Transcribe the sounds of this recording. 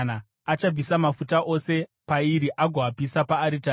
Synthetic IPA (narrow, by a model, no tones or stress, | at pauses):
na | at͡ʃab͡visamafutaʔo̞se̞paiɾiʔaɡʱoapisapaːɾita